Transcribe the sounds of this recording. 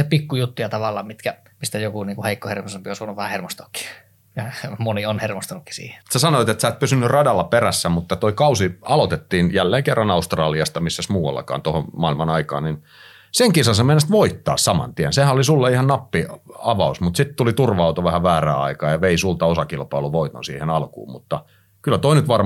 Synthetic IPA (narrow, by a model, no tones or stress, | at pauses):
sepikːujut̪ːujɑt̪ɑʋɑlːɑːmit̪kæ | mist̪æjokuniːŋkuheikːohermosempiosuonːuʋæhæhermost̪o̥kːi̥ | jɑmonionhermost̪ɑnukːi̥sḭːhe̥sæsɑnoit̪et̪sæːt̪̚pysynːyrrɑdɑlːɑperæsːæmut̪ːɑt̪oikɑusiɑlot̪et̪ːiːnjælːeːŋkerːɑnɑust̪rɑːliɑst̪ɑmisːæsmuːwɑ̰lːɑ̰kɑ̰ːnt̪oho̰mmɑˑilmɑnɑikɑ̰ːnnin | seŋkisɑsɑmenːest̪ʋoit̪ːɑ̰ːssɑmɑ̰nt̪iænsehænolisulːeihɑnnɑpːiɑʋɑusmut̪sit̪t̪ulit̪urʋɑɑut̪oʋæhæʋæːræ̰ːɑ̰ikɑːjɑʋeisult̪ɑosɑkilpɑiluʋoit̪o̰nsḭːhenɑlkṵːmmut̪ːɑ | kylːˑæt̪oinyt̪ʋɑr